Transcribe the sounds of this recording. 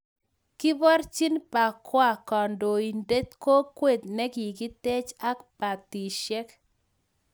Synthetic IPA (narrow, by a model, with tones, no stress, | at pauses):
kɪ˦bɔ˦ɾt͡ʃi˦npa˨kwa˦˨kɔ˨ndo˨i˨nde˦t̪̚ko˦kwe˦˨t̪̚nɛ˦ki˨ɡi˦t̪e˦t͡ʃa˦kpa˨t̪i˨ʃɛ˦k